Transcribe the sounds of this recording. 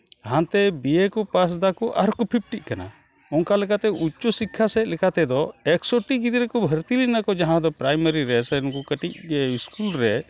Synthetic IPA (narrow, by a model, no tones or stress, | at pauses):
ɦãnt̪ɛbiekɔpas̬d̪akɔʔaɾkɔpʰip̚ʈiʔ̚kana̰ | ɔŋkalɛkat̪ɛʔut͡ʃːɔsikʰːasɛt̪̚lɛkat̪ɛd̪ɔɛksoʈiɡid̪iɾɛkɔbʱəɾt̪ilinakɔd͡ʒaɦãd̪ɔpɾajmaɾiɾɛsɛnkɔkəʈic̚ɛiskulɾɛ